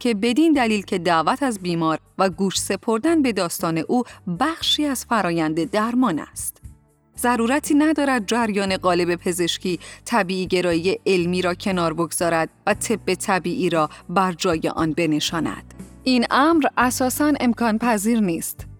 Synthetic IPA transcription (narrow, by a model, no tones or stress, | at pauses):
cʰe̞be̞d̪ind̪æliːlcʰe̞d̪æʔvæt̪ʰæzbiːmɒːɾ | væɡuːʃse̞pʰo̞ɾd̪ænbe̞d̪ɒːst̪ɒːne̞ʔuːbæxʃiːæz̥fæɾɒːjænd̪e̞d̪æɾmɒːnæ̰st̪ | zæɾuːɾæt̪ʰiːnæd̪ɒːɾæd̪̚d͡ʒæɾjɒːne̞ɢɒːle̞be̞pʰe̞ze̞ʃcʰiːt̪ʰæbiːiːɟe̞ɾɒːije̞ʔelmiːɾɒːcʰe̞nɒːɾbo̞ɡz̥ɒːɾæd̪̥̚væt̪ʰe̞bːe̞t̪ʰæbiːʔiːɾɒːbæɾd͡ʒɒːje̞̰ʔɒ̰ːnbe̞ne̞ʃɒːnæ̰d̪̥ʔinʔæmɾʔæsɒːsæne̞mkʰɒːnpʰæziːɾniːst̪